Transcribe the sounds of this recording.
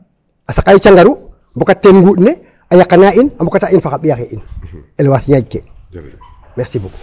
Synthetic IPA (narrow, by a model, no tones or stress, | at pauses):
asakːait͡ʃaŋɡaɾu | mbɔkatːenŋɡuːtne | ajakːanainambɔkatainfakaɓijakeʔinelwasɲaɟke | mɛxsibṵːk